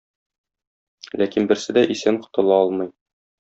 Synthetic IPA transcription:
lækinbɘ̆ɾsɘd̪æʔisæɴqŏ̥t̪ɤ̆lˠɑɒlˠmɤj

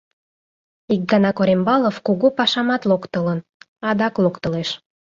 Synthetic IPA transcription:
ik̚ɡɑnɑkoɾembɑlofkuɣopɑʃɑmɑt̪lokt̪ələn | ɑd̪ɑklokt̪əleʃ

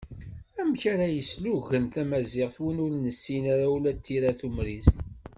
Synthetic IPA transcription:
æmçaɾæjəsluɣənt̪æmæzɪʁθwənʊɾnəsːinaɾawlæt̪ːiɾaθumɾist̪

